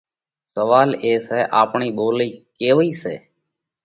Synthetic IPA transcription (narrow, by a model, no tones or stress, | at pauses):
səʋaːleːsɛːʔaːpɳiːɓoːliːkeːʋiːsḛː